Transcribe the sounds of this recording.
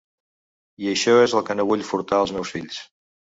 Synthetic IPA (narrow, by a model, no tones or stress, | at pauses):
iəʃɔezəlˠkənoβuʎfuɾt̪aəlˠzmɛwsfiʎs